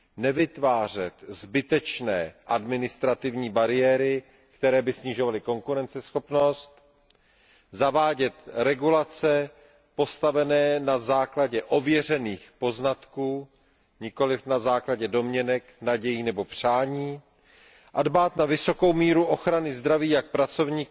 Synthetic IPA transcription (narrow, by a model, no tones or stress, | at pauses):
nɛvɪt̪vaːr̝ɛt̪zbɪt̪ɛt͡ʃnɛːʔadmɪnɪst̪ɾat̪ɪvɲiːbaɾɪjɛːɾɪ | kt̪ɛɾɛːbɪsɲɪʒo̞valɪko̞ŋkuɾɛnt͡sɛsxo̞pno̞st̪ | zavaːɟɛt̪ɾɛɡulat͡sɛ | po̞st̪avɛnɛːnazaːklaɟɛʔo̞vjɛr̝ɛniːxpo̞znat̪kuː | ɲɪko̞lɪfnazaːklaɟɛdo̞mɲɛnɛknaɟɛjiːnɛbo̞pr̝̥aːɲiː | ʔadbaːt̪navɪso̞ko̞wmiːɾuʔo̞xɾanɪzd̪ɾaviːjak̚pɾat͡so̞vɲiːk